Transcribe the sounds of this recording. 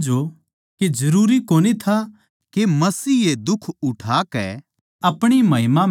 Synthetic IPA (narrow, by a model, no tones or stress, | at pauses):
d͡ʒo | ked͡ʒɐɾuːɾikoːnit̪ʰa | kemɐsiːed̪ʊkʰʊʈʰaːkɛ̰ | ɐpɽ̃imɐɦɪmã